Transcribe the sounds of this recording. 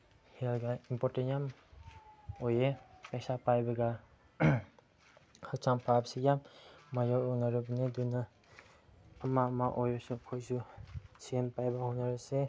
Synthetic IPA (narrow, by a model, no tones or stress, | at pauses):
helɡaimpɔtenjam | ɔjepesapajbaɡa | hak̚t͡ʃaŋpʰabsijammajɔɔnaɾɯbneduna | mamaʔɔjɔsukʰɔjsusiempajbahɔnaɾɯse